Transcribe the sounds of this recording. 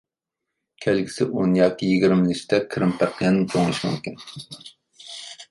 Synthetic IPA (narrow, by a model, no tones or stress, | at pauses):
kʲʰɛlɡʲi̥sɪʔonjɑːkʲijiɡʲiɾmliʃt̪ʰɛkʲʰɾɨmpʰæɾqʰjɛnɪnt͡ʃʰoŋlˠɨʃmṵmkʲin